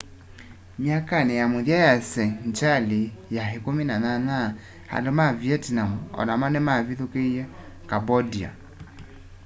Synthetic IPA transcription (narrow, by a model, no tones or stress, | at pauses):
mjakanɛjamuðjajasɛɲt͡ʃalijaɦikuminanana | ha̰lomavjɛtnamuɔ̰namanɛmaviðukejɛ | kabɔdia̰